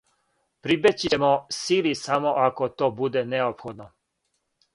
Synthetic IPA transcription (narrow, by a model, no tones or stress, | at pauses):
pɾibet͡ɕjemosilisamoʔakot̪oːbud̪eneopxod̪no